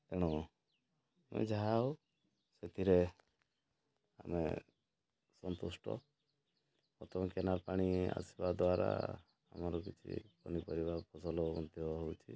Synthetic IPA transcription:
eɽ̃ɔ | mḛd͡ʒaɦau | set̪ʰiɾe | a̰mḛ | sɔnt̪usʈɔ̰ | ɔt̪ɔkenapaɽ̃ia̰si̥bad̪waɾa̰ | a̰mɔɾɔk̬it͡ʃʰḭkɔnipɔɾibapɔsɔlɔmɔd̪ʱjɔɦowt͡ʃʰi

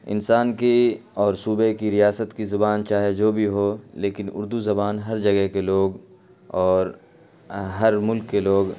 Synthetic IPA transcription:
ɪ̰nsaːnkeɔːɾsuːbekiɾijaːsət̪kizʊbaːnt͡ʃaːɦed͡ʒoːbʱiɦoːleːkɪnʊ̰ɾd̪uzɐbaːnɦɐɾd͡ʒɐɡɛɦkeloːɡ | ɔːɾ | ɦɐɾmʊlkːeloːɡ

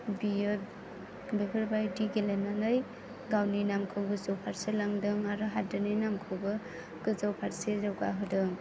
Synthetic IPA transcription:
bijɯ | bekʰɯɾbajdiɡelenanɯj | ɡawninamkʰɯwɡɯzawpʰaɾselaŋdɯŋaɾɯɦadɯnɯjnamkʰɯwbɯ | ɡ̥ɯzawpʰaɾsezawɡa̰ɦɯdɯŋ

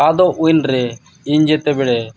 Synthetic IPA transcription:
ad̪ɔʔujnɾɛ | iɲd͡ʒɛt̪ɛbɛɽɛ

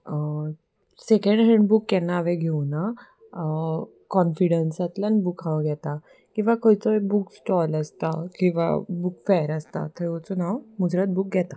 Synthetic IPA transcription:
sekəɳɖɦeɳɖbukːjɛnːaːʋẽɡʱewna | kɔnfiɽensat̪lanbukʰãʋɡʱɛt̪a | kĩw̃ʋakojt͡sɔebuksʈɔləst̪akĩw̃ʋa̰bukfajəɾəst̪a̰t̪ʰəɾot͡sɔnawmud͡zɾət̪̚buk̚ɡʱɛt̪a

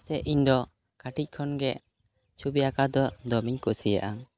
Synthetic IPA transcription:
t͡ʃɛʔiɲd̪ɔ | kaʈic̚ˀkʰɔnɡɛʔ | t͡ʃʰubiakad̪ɔd̪ɔmiɲkuʔsija̰ʔa

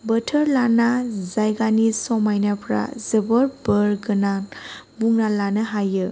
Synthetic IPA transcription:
bətʰəɾlanazajɡanisɔmajnapʰɾa̰zəbəɾbəɾɡɯnanbuŋnalanɯɦajɯ

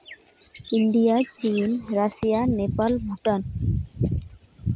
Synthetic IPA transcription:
inɖijat͡ɕinɾasijanepalbʱuʈan

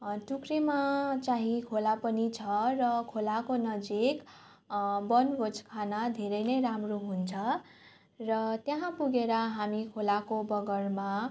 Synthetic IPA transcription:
ʈukrimat͡saɦĩkʰolapʌnit͡sʰʌrʌkʰolakonʌd͡zik | bʌnbod͡zkʰanad̪ʱeɾʌjnʌjɾamroɦunt͡sʰʌ | rʌt̪jaɦãpuɡeɾʌɦamikʰolakobʌɡʌrma

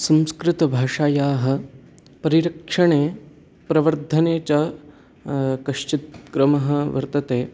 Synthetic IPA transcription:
sɐ̃mskɾɪt̪ɐbʱaːʂaːjaːɦɐ̆ | pɐɾiɾɐkʂɐɳeː | pɾɐʋɐɾd̪ʱɐneːt͡ʃa | kɐʂt͡ʃit̪̚kɾɐmɐɦɐ̆ʋɐ̰ɾt̪ɐt̪eː

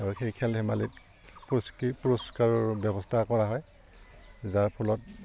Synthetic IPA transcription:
aɹuxejkʰɛlhɛmalit̚ | pspuɹɔskaɹɔɹbjɔbɔstʰakɔɹaɦɔj | zaɹpʰɔlɔt̚

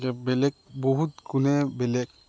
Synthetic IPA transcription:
ɡɛbɛlɛk̚bɔɦut̪̚kunɛbɛlɛk̚

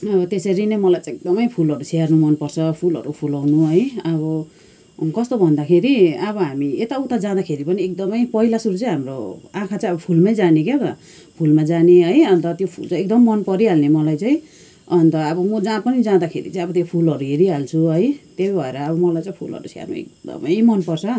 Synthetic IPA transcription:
ʌbʌt̪eseɾinemʌlajt͡sãek̚d̪ʌmʌjpʰulʌɾusiarnumʌnpʌrt͡sʰʌpʰulʌ̰ɾupʰulawnuɦʌjʌbʌ | kʌst̪obʱʌnd̪akʰeɾiʌβʌɦamiet̪aut̪ad͡zãd̪akʰeɾipʌniek̚d̪ʌmʌjpʌɦilasuɾut͡sʌ̃ɦamro̰ãkʰat͡sãĩʌbʌpʰulmajd͡zaneket̪ʌ | pʰulmad͡zaneɦʌjʌnt̪ʌt̪jopʰṵlt͡sʌj̃ek̚d̪ʌmːʌnpʌɾiɦalnemʌlajt͡sãĩ | ʌnt̪ʌːbʌmʌd͡zãpʌnid͡zãd̪akʰḛɾḭt͡sʌj̃ʌbʌt̪jopʰulɦʌɾuɦeɾiɦalt͡sʰuɦʌjt̪ebbʱʌeɾʌːbʌmʌlajt͡sʌĩj̃pʰulʌ̰ɾṵsa̰rnṵḛk̚d̪ʌ̰mʌjmʌnpʌrt͡sʰʌ

